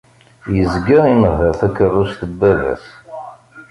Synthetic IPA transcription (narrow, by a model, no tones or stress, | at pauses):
jəzɡəɾiməɦəɾθækərˤːust̪əbːævæ̰s